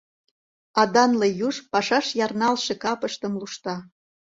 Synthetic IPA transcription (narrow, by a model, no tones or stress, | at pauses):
ɑd̪ɑnlejuʃpɑʃɑʃjɑrnɑlʃekɑpəʃt̪ə̆mluʃt̪ɑ